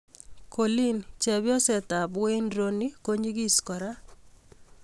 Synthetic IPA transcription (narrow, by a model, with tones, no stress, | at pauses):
ko˨li˦nt͡ʃɛ˨bjɔ˦sɛ˨t̪a˨bwe˦ndɾo˦ni˦ko˦ɲi˦ɡi˦skɔ˨ɾa˦